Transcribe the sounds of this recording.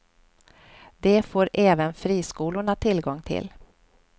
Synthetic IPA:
d̪ɛfoːɾʔɛːvənfɾiːskuːlʊɳat̪ʰɪlɡɔŋːt̪ʰɪ̰l

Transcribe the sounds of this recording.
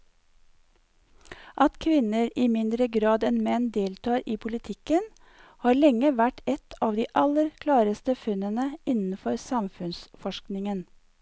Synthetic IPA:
ʔɑt̪kʰʋɪnəɾiːmɪnd̪ɾəɡɾɑːd̪ɛnmɛnd̪eːlt̪ʰɑːɾiːpʰʊlɪt̪ʰɪkən | hɑːɭɛŋːəʋæʈɛt̪ʰɑːʋd̪iːʔɑləɾkʰlɑːɾəst̪əfʉnənəɪnn̩fɔɾsɑmfʉnsfɔʃknɪŋən

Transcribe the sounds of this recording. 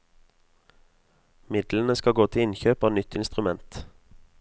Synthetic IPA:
mɪd̪lənəskɑɡoːt̪ʰɪɪnçøːpɑːnʏt̪ʰɪnst̪ʁʉmɛnt̪

